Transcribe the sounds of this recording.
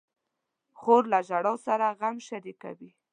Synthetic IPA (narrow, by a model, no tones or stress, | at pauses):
xoɾlaʒaɽɑwsaɾaɣamʃaɾika̰wi